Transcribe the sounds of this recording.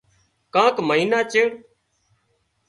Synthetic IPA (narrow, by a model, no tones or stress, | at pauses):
kãːkməɦiːnaːt͡ʃeːɽ